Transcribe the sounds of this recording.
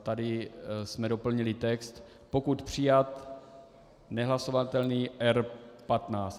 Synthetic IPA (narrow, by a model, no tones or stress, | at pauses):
t̪adɪsmɛdo̞pl̩ɲɪlɪt̪ɛkst̪ | po̞kut̪pr̝̥ɪjat̪ | nɛɦlaso̞vat̪ɛlniːʔɛɾpat̪naːt͡st̪